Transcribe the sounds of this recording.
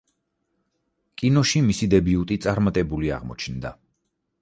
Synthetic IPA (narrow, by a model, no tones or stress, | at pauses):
kʼinɔʃimisid̪ɛbiut̪ʼit̪sʼaɾmat̪ʼɛbulia̰ʁmɔ̰t͡ʃʰnd̪a